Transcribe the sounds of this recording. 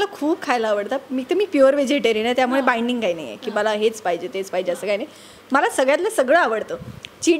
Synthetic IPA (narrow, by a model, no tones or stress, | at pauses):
lakʰuːbkʰajlaːʋəɽt̪amiːt̪əmiːpjuəɾʋed͡ʑeʈeɾinat̪jamuɭebaiɳɖiŋɡkaina̰jḛkiːməlaɦet͡spaid͡ʑet̪et͡spaid͡ʑeəsəkaɦinai | məlasəɡɭjat̪lasəɡɭəaʋəɽt̪ot͡ɕi